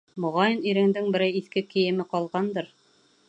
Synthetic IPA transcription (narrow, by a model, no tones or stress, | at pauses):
mŏʁɑjɤniɾɘ̆ŋd̪ɘŋbɘ̆ɾæjiθkɘkɘ̆jɘ̆mɘqɑlˠʁɑnd̪ɤɾ